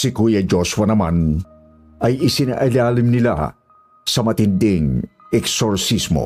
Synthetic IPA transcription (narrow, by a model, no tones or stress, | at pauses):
sɪkuːjɐd͡ʒoswɐnɐman | ɐjɪsɪna̰ʔɐlaːlɪmnɪla̰ | sɐmɐt̪ɪnd̪ɪŋɛksoɹsismo̰